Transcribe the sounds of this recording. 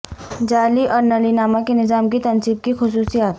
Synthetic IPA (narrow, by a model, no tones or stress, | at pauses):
d͡ʒaːliʔɔːɾnɐlinaːmakenɪzaːmkit̪ɐnsib̚kixʊs̬uːsijaːt̪